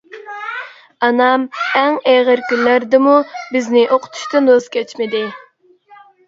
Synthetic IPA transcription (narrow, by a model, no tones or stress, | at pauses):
ɑnɑmɛŋeʁəɾkʲynlæɾd̪ɪmubɪznɪʔoqʰʊ̥t̪ʰu̥ʃt̪ɨnozkʲʰɛt͡ʃmɪd̪ɪ